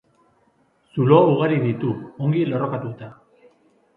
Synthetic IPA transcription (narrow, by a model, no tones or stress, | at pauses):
sulouɣaɾiðit̪uoŋɡilo̞ro̞kat̪ut̪a